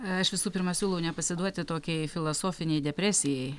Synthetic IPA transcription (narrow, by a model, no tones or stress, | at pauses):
ɐʃʋʲɪsuːpʲɪɾmɐsʲuːlˠɐʊnʲɛpɐsʲɪd̪uɔt̪ʲɪt̪oːkʲɛɪfʲɪlˠoːsoːfʲɪnʲɛɪd̪ʲɛpʲɾʲæsʲɪjɛɪ